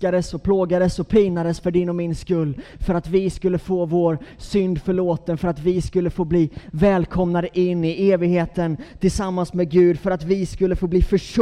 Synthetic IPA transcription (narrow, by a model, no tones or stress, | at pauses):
ad̪əsɔpʰloːɡad̪əsɔpʰɪːnad̪əsfœɖɪnːɔmɪnskɵlːfœɾat̪vɪskɵlːəfoːvoːɾsʏnd̪fœɭoːt̪ənfœɾat̪vɪskɵlːəfoːbliːvɛːlkʰɔmnad̪əʔɪnːɪeːvɪɡheːt̪ənt̪ʰɪlsamːansmɛɡʉ̟ːd̪fœɾat̪vɪskɵlːəfoːbliːfœʂ